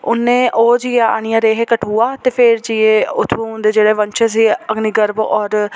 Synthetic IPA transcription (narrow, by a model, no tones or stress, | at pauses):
ʊ̰nːẽːʔoːd͡ʒiːaːa̰ːɽ̃ɪjãːɾeːɦeːkəʈʰɦuːaːt̪eːpʰeːɾd͡ʒiːeːʊt̪ʰːõːnd̪eːd͡ʒeːɽeːʋənt͡ʃʰeːs̬iːəɡniɡəɾbɔːɾ